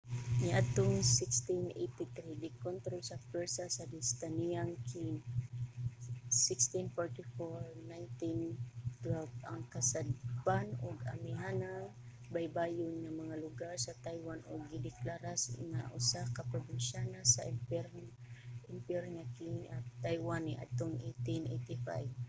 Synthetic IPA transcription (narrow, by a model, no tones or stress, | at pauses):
nɪʔat̪oŋsɪkst̪ɪnʔḛjt̪ɪt̪ɾidɪkont̪ɾolsapɛɹsasad̪ɪst̪anijaŋki | sɪkst̪ɪnfoɹt̪ɪfoɹnajnt̪ɪnt̪wɛlvaŋkasad̪̚panʊɡa̰mɪɦanaŋ | bajbajʊnɲamɐŋalʊɡaɾsɐt̪ajwanʔʊɡːɪd̪ɪklaɾasŋaʔʊsakapɾobɪnʃanasaʔpɛɾ | ʔɪmpɛɾŋakiat̪ajwaniʔa̰d̪̚t̪oŋejt̪ɪnʔejt̪ɪfa̰jb